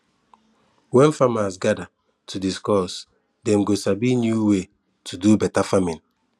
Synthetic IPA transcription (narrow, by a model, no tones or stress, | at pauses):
wɛ̃nfamasɡada | tʰudiskɔs | dɛ̃mɡosabinjuwe | tʰudubɛtafamĩn